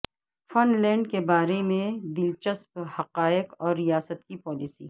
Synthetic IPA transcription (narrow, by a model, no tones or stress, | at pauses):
fɐnlɛ̃ːɳɖkebaːɾemẽd̪ɪlt͡ʃəsphɐqaːɪkɔːɾːijaːsət̪kipɔːlɪsiː